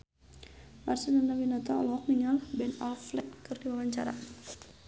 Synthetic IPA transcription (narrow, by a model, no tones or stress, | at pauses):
marsinanawinat̪aɔ̰lɔk̚niŋalbɛnalflɛk̚tɨrdiwawaɲt͡ʃa̰ɾa̰